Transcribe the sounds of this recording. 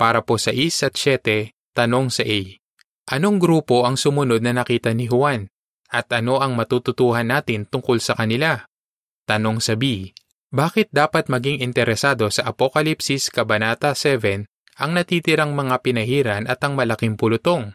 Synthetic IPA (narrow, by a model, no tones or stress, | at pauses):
paːɾɐpo̞sɐʔisɐt̪̚t͡ʃɛːt̪ɛ | t̪ɐno̞ŋsɐʔɛj | ʔɐno̞ŋɡɾuːpo̞ʔɐŋsʊmʊno̞d̪̚nɐnɐkiːt̪ɐnɪɦʊan | ʔɐt̪ʔɐno̞ʔɐŋmɐt̪ut̪ʊt̪uːhɐnːaːt̪ɪnt̪ʊŋkolsɐkɐnɪla | t̪ɐno̞ŋsɐbi | baːkɪt̪̚d̪aːpɐt̪̚mɐɡiŋɪnt̪ɛɾɛsaːd̪o̞sɐʔɐpokɐlipsɪskɐbɐnaːt̪ɐsɛvɛn | ʔɐŋnɐt̪iːt̪ɪɾaŋmɐŋapɪnɐhiːɾɐnʔɐt̪ɐŋmɐlɐkiŋpʊlʊt̪o̞ŋ